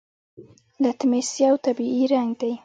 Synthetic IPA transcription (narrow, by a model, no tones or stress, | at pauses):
lat̪ɪmesjawt̪abiʔiɾaŋɡd̪aj